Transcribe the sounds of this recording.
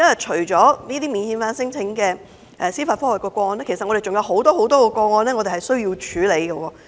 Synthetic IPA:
ɐ˥jɐ˨t̚t͡ʃʰɵ˨˩ɥt͡ʃɔː˨˥niː˥t̪iː˥mi˨nhiː˨˧nfaː˧˥nsɪ˥ŋt͡sʰɪ˨˥ŋkɛː˧ | ʔɛː˨˩siː˥faː˧tfɔː˥wɐ˨˩kɔː˧kʷɔː˧nlɛː˥kʰe˨˩sɐ˨ŋɔ˨˧ɾe˨˩jt͡ʃʊ˨ŋjɐ˧wɦo˨˥wt̪ɔː˥ho˨˥wt̪ɔː˥kɔː˧kɔː˧ŋɔː˧nɛː˥ŋɔː˨˧t̪e˨˩hɐ˨˩jsɵ˥ɥjiː˧wt͡ʃʰyː˨˥le˨˧jɡɐ˧wɔː˧

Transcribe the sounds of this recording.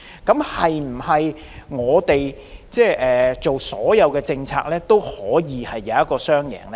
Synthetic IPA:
kɐ˨˥mhɐ˨jm̩˨˩hɐ˨j | ŋɔː˨˧t̪e˨j | t͡sɛː˥˩ʔɛː˨t͡so˨wsɔː˨˥jɐ˨˧wkɛː˧t͡sɪ˧ŋt͡sʰa̰ː˧k̚lɛː˥t̪o˥whɔː˨˥jiː˨˧hɐ˨jːɐ˨˧wɐ˥t̚kːɔː˧sœː˥ŋjɛ̰ː˨˩ŋlɛː˥

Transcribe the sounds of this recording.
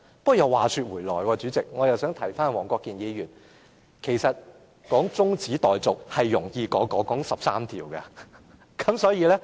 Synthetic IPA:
pɐ˥jɐ˨˧waː˨syː˧t̚wuː˨˩jlɔː˨jkɔː˧t͡ʃyː˨˥t͡sɪ˨k̚ŋɔː˨˧jɐ˨wsœː˨˥ŋt̪ʰɐ˨˩jfaː˥nwɔː˨˩ŋkʷɔː˧kːiː˨njiː˨˧jyː˨˩n | kʰe˨˩jsɐ˨t̚ | kɔː˨˥ŋt͡sʊ˥ŋt͡siː˨˥t̪ɔː˨jt͡sʊ˨k̚hɐ˨jːʊ˨˩ŋjiː˧kɔː˨˥kɔː˨˥kɔː˨˥ŋsɐ˨p̚saː˥mt̪ʰiː˨˩wkɐ˧ | kɐ˨˥msɔː˨˥jiː˨˧lɛ˥

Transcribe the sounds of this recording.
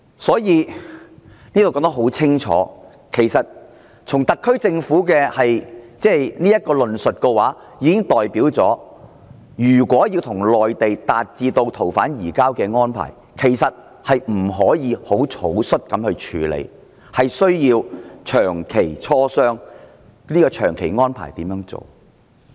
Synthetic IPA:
sɔː˨˥jiː˨˧ | ni˥t̪wkːɔː˧˥ŋt̪ɐ˥ɦo˨˥wt͡sʰɪ˥ŋt͡ʃʰɔ̰ː˨˥ | kʰe˨˩jsɐ˨t̚ | t͡sʰʊ˨˩ŋt̪ɐ˨kʰːɵ˥ɥt͡sɪ˧ŋfuː˨˥kɛː˧hɐ˨jt͡sɛː˥jniː˥jɐ˥t̚kɔː˧lɵ˨nsɵ˨t̚kɛː˧waː˨˥ | jiː˨˧kɪ˥ŋt̪ɔː˨jpiː˨˥wt͡sɔː˨˥ | jyː˨˩kʷɔː˨˥jiː˧wt̪ʰʊ˨˩ŋlɔː˨jt̪e˨jt̪aː˨t̚t͡siː˧t̪o˧wt̪ʰo˨˩wfaː˨˥njiː˨˩kaː˥wkɛː˧ŋɔː˥npʰa̰ː˨˩j | kʰe˨˩jsɐ˨t̚ | hɐ˨jm̩˨˩ɦɔː˨˥jiː˨˧ho˨˥wt͡sʰo˨˥wsɵ˥t̚kɐ˨˧˥mhɵ˧ɥt͡ʃʰyː˨˧lḛ˨˧j | hɐ˨jsɵ˥ɥjiː˧wt͡ʃʰœː˨˩ŋkʰe˨˩jt͡sʰɔː˥sœː˥ŋ | niː˥kɔː˧t͡ʃʰœː˨˩ŋkʰe˨˩jŋɔː˥npʰa̰ː˨˩jt̪iː˨˥mjœː˨˥ŋt͡so̰˨˩w

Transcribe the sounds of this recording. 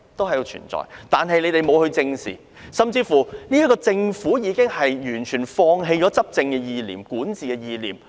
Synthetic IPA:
t̪o˥whɐ˨˩jt͡ʃʰy̰˨˩nt͡sɔ̰ː˨jt̪aː˨nɦɐ˨jle˨˧jt̪e˨jmo˨˧whɵ˧ɥt͡sɪ˧ŋsḭ˨ | sɐ˨˩mt͡siː˧fu˨˩ni˥jɐ˥kːɔː˧t͡sɪ˧ŋfuː˨˥jiː˨˧kɪ˥ŋhɐ˨jjyː˨˩nt͡ʃʰyː˨˩nfɔː˧ŋɦe˧jt͡ʃɔː˨˥t͡sɐ˥p̚t͡sɪ˧ŋkɛː˧jiː˧lḭː˨˩mkuː˨˥nt͡siː˨˧kɛː˧jiː˧liː˨˩m

